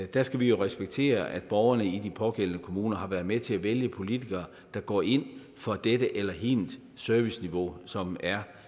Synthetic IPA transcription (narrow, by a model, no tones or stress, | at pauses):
d̥æsɡ̥æʋijo̝ʁɛsb̥eɡ̥̚t͡sʰe̝̰ːɐʔæd̥b̥ɒʊɐnəid̥ipʰɒ̽ɡ̥el̰nəkʰo̝muːnɐhɑ̈ʋæɐðˠmet͡sʰe̝læʋeljəpʰo̝lit͡sʰiɡ̥ɐː | d̥ɑ̈ɡ̥ɒ̰ːe̝n̰ | fɒ̽d̥eɾəʔelɐɦind̥ | søɐʋisniʋo̝̰sɒ̽mæɐ